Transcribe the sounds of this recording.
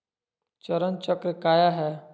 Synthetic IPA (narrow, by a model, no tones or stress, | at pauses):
t͡ʃəɾənt͡ʃəkɾkaːjaɦɛː